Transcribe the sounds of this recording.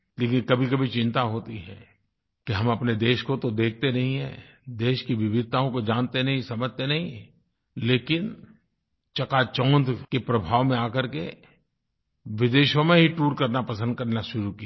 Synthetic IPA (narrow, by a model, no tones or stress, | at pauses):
leːkɪnkɐbʱikɐbʱit͡ʃɪ̃nt̪aɦoːt̪iɦɛ̰̃ː | kiɦɐmɐpned̪eːʃkot̪od̪eːk̚ʰt̪enɐɦĩɦɛ̰̃ː | d̪eːʃkiʋɪbɪd̪̚ʱt̪aːõkod͡ʒaːnt̪enɐɦĩsɐməd͡ʒt̪enɐɦĩ | leːkɪn | t͡ʃɐkat͡ʃɔ̃ːnd̪kepɾɐbʱaːʋmẽaːkəɾke | ʋɪd̪eːʃõmẽɦiʈuːɾkɐɾnapɐsə̃nd̪̚kɐɾnaʃʊɾuki